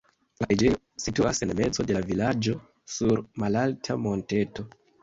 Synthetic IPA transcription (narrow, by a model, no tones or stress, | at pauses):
laid͡ʒejo | situase̞nme̞t͡so̞de̞lavilad͡ʒo̞ | suɾmalaltʰamo̞nte̞to̞